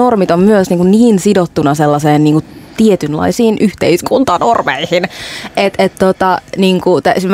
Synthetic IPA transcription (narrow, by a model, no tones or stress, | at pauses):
ormit̪ommyøsniːŋkunniːnsidot̪ːunɑselːɑseːnniːŋkut̪iet̪ynlɑ̰isiːnʔyht̪eiskʰunt̪ɑnormḛihinʔet̪et̪t̪ot̪ɑniːŋkut̪æsm